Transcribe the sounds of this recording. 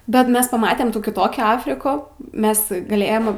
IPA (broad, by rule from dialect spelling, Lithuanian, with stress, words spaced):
bʲɛt ˈmʲɛs pɐˈmɑːtʲɛm ˈtuː kʲɪˈtoːkʲuː ˈɑːfʲrʲɪkʊ ˈmʲɛs ɡɐˈlʲeːjɛm